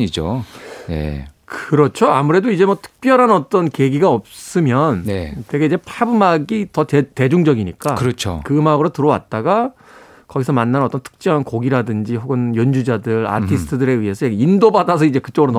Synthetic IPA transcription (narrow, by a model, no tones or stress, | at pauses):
id͡ʑo̰nḛkɯɾʌt͡ɕʰoamuɾe̞doid͡ʑe̞mwʌtʰɯ̥k̚p͈jʌɾɦanʌt͈ʌnke̞ɡiɡaʌp̚s͈ɯmjʌnnḛteɡeid͡ʑepʰabɯmaɡitʌete̞d͡ʑuŋd͡ʑʌɡiɲik͈akɯɾʌt͡ɕʰo̰kɯmaɡɯɾotɯɾʌwa̰t̚t͈aɡa | kʌɡisʰʌmanːanʌt͈ʌntʰɯ̥k̚t͡ɕ͈ʌɦankoɡiɾadɯnd͡ʑiɦoɡɯnjʌnd͡ʑud͡ʑadɯɾa̰tʰisɯ̥tʰɯdɯɾe̞iɦe̞sʰʌeɡindobadas̬ʰʌid͡ʑe̞kɯ̥t͡ɕ͈oɡɯɾon